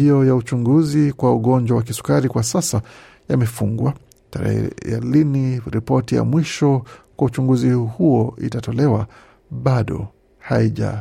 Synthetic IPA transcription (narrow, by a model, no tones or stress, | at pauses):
iɔjaut͡ʃuŋɡuzikwauɠɔnd͡ʒwawak̬isu̥kaɾikwasasa | jamɛfuŋɡwa | taɾɛ̰ɛ̰ɛliniɾipɔtija̰mwiʃɔkwaut͡ʃuŋɡuzihuɔḭtatɔlɛwa | ɓaɗɔ̰ | haiʄa̰